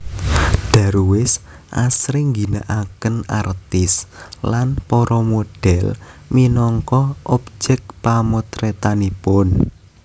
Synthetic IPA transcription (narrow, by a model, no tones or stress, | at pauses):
ɖ̥a̤ɾuwɪs | ʔa̰sɾiŋɡinaʔakəna̰rt̪ɪslanpɔɾɔmoɖ̥ɛlminɔŋkɔʔɔp̚d͡ʒɛk̚pamot̪ɾet̪anipʊn